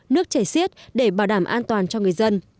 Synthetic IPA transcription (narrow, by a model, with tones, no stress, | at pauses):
nɨ˦˥ək̚t͡ɕaː˧˩jsi˦˥ət̚ɗe˧˩ɓaː˧˩ɗaː˧˩mʔaː˧nt̪waː˨˩nt͡ɕɔ˧ŋɨ˨˩əjzə˧n